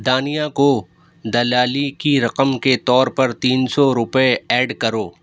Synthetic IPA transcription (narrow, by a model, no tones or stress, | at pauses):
d̪aːnijãko | d̪ɐlaːlikiɾɐqəmket̪ɔːɾpɐɾt̪iːnsɔɾʊpeɛːɖkɐɾoː